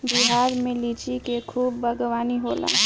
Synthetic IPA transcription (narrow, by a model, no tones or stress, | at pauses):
biɦaːɾmẽlit͡ʃikekʰuːbːəɡʋaːniɦoːla̰ː